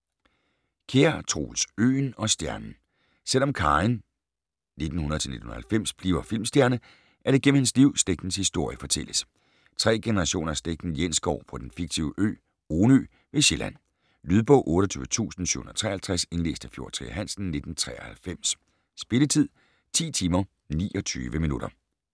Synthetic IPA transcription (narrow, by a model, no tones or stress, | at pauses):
kʰeɐt͡sʰʁo̰ːlsø̰ːnɒ̽sd̥jæɐnn̩ | sel̰ɒ̽mkʰɑɪn | ne̝d̥n̩hunɐð̩ˠt͡sʰe̝lne̝d̥n̩un̩ɐhælfem̰sb̥lḭːʊɐfil̰msd̥jæɐnə | ʔæɐɾ̥eɡ̥em̰m̩hensliʊ̰sd̥eɡ̥n̩shisd̥o̝ɐ̰jəfɒ̽t͡sʰel̰əs | t͡sʰʁɛ̰ːɡ̥enəʁɑ̈ɕo̝̰ːnɐæɐsd̥eɡ̥n̩jen̰sɡ̥ɒ̰ʊfʁɒd̥enfiɡ̥̚t͡sʰiʊəʔø̰ː | oːnø̰ | ʋe̝ɕelʔæn̰ | lyð̞ˠb̥ɔ̽ʊ̰ʔɔ̽ːɾ̥əɒt͡sʰy̰ːʊʋət͡sʰṵːsn̩sy̰hun̩ˠɐt͡sʰʁɛ̰ːhælt͡sʰʁæse̝nle̝ːsd̥əfjo̝ɐt͡sʰʁḭɦæn̰sn̩ne̝d̥n̩t͡sʰʁɛ̰ːɐhælfem̰s | sb̥e̝lət͡sʰið̰ˠ | t͡sʰḭːt͡sʰiːmɐ | nḭːʔɒ̽t͡sʰy̰ːʋəminud̥ɐ